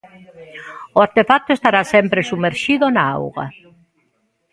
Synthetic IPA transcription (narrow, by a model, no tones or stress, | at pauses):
oaɾt̪efak̚t̪oest̪aɾasɛmpɾesumeɾʃiðʊnaa̰wɣa̰